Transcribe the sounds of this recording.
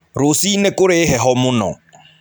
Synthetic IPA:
ɾʊsinɛkʼʊɾɪɦɛɦɔmʊnɔ̰

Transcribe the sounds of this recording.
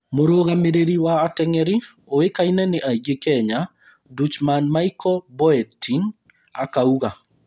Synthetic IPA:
moɾoɣameɾeɾiwaːtɛŋɛɾi | owekainɛnɪʔaiɡekɛɲa | dut͡ʃmanmaikʰɔbɔɛtiŋ | akauɣa

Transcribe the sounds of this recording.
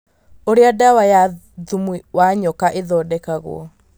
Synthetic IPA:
oɾeadawaja | ðumwiwaɲɔkaʔeðɔːdɛkaɣo̰ɔ̰

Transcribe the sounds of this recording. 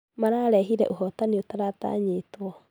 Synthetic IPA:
maɾaɾɛɦiɾɛ̰ʔuɦɔtaniotaɾata̰ɲitoɔ

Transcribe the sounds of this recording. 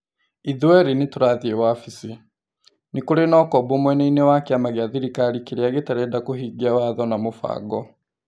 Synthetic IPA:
iðuwɛɾinetuɾaðiewafisi | nikoɾenɔkɔbomwɛneinewakiamaɣjaðiɾikaɾikeɾeaɣetaɾɛːdakoɦiɡiawaðɔnamofa̰ːɡɔ

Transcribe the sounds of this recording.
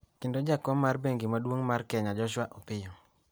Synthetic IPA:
kɪndod͡ʒakɔmarbeŋɡimadwoŋmarkɛɲad͡ʒɔʃwaʔɔpɪjɔ

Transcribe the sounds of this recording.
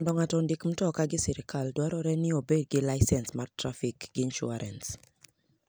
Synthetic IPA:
ndɔŋatɔndikm̩tɔkaɡɪsiɾɪkaldwaɾɔɾɛnɪobed̚ɡɪlaɪsɛnsmartɾafikɡinʃṵaɾʔɛ̰ns

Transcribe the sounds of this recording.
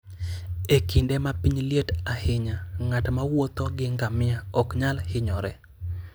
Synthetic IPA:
ekindemapiɲljetahɪɲaŋatmawot̪oɡɪŋɡamɪaɔkɲalhɪɲɔɾɛ̰

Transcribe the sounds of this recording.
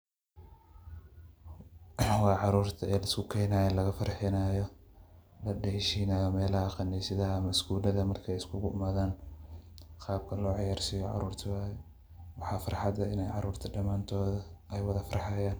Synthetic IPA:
wɑːʕɑɾuːrt̪ʰɐɛːlɐɪskʰʊkʰɛːnaːjɛnlɐɣɐfɐɾħɪnaːjɔ | lɐɖɛʃiːnaːjɔmɛːlɐhɐqɑnɛsɪðɐɦɐmɐskuːlɐðɐmɐrkʰɛːjɪskʰʊɣʊʔʊmaːðaːn | qɑːb̚kʰɐlɔːʕɑjaːrsɪjɔʕɑ̰ɾuːrt̪ʰɐwaːjɛ | wɑħɑːfɐɾħɑd̪ɐɪnɛjʕɑɾuːrt̪ʰɐɖɐmaːnt̪ʰɔːðɐɛjwɐðɐfɐɾɑħɑjaːn

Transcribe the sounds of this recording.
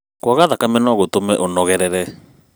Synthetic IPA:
kwaɣaðakamɛnɔɣotomɛʔonɔɣɛɾɛɾɛ

